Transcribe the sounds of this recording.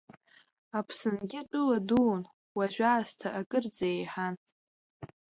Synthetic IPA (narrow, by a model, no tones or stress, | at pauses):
apʰsɨnɡʲɪatʷʼɨladuːn | waʒᶣʷaːztʰaʔakʼɨrd͡zaejħan